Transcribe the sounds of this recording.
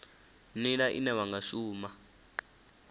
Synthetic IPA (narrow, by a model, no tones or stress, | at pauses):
nilaʔḭnɛwaŋɡaʃuːma